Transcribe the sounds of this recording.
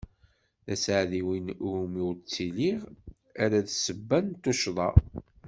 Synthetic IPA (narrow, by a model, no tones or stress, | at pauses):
ðæsʕðiwinumiwt͡sːiliʁ | æɾæðsəbːænt̪ːuʃðˤɑ